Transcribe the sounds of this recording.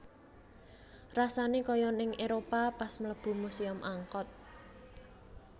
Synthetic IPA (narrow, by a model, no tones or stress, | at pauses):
rasanekɔjɔnɪŋʔeɾopapasmələb̥ṳmusiɔmʔaŋkɔt̪̚